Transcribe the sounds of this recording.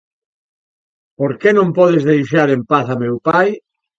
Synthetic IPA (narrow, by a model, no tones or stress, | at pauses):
poɾkenõmpɔð̞ezðejʃaɾempaθamewpaj